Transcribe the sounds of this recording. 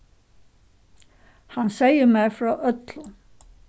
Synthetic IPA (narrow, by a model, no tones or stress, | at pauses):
hanseːjɪmɛɾfɾaʔœt̪lʊ